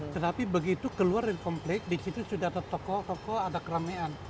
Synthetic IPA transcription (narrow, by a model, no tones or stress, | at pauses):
t̪ət̪apibəɡit̪ukəluardankɔmplɪk̚disit̪usudahadat̪ɔkɔt̪ɔkɔadakəɾamean